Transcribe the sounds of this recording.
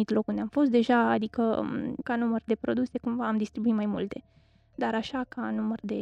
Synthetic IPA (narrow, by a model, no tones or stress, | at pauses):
it̪lo̞kɨnd̪eamfo̞s̬t̪d̪e̞ʒaad̪ikəkanumərd̪e̞pɾo̞d̪use̞kumvaːmd̪ist̪ɾibuit̪majmult̪e̞ | d̪aɾaʃakʰanumərd̪e̞